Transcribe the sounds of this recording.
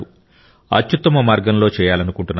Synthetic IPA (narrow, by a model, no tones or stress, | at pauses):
u | ɐ̰tt͡ʃːut̪ːɐmɐmaːɾɡɐnlo̞ːt͡ʃɛːjaːlɐnukuɳʈunː